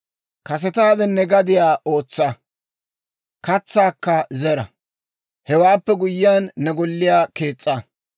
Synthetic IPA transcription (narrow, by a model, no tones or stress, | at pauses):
kɐs̬ɛt̪aːd̪ɛnːɛɡɐd̪ɪjaːʔo̞ːt͡sːɐ | kɐt͡sːaːkːɐzɛɾɐ | hɛwaːpːɛɡʊjːɪjaːnːɛɡɔlːɪjaːke̞ːt͡sʼːɐ